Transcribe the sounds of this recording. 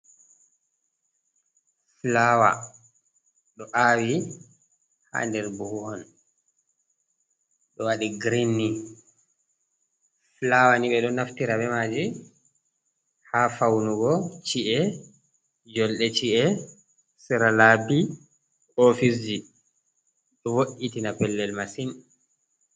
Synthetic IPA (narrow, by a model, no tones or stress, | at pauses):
flawa̰ | ɗɔʔaːwi | ha̰ndɛɾbuhuhɔn | ɗɔwaɗiɡɾinːi | flawaniɓɛɗɔnaftiɾaɓɛmaːd͡ʒi | hafawnuɡɔt͡ʃiʔɛ | d͡ʒɔlɗɛt͡ʃiʔɛ | siɾalabi | ofis̬d͡ʒi | ɗɔwoʔitinapɛlːɛlmasin